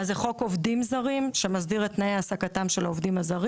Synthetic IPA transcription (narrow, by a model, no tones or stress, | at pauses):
azeχo̞ko̞vdimzaʁimʃemazdiʁetnaeasakatamʃelaovdimhazaʁi